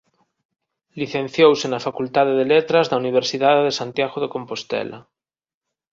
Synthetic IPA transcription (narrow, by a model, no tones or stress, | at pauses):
liθẽn̟θjowsenafakult̪aðeðelet̪ɾazðauniβ̞eɾsiðaðeðesant̪jaɣoðeko̞mpost̪ḛla̰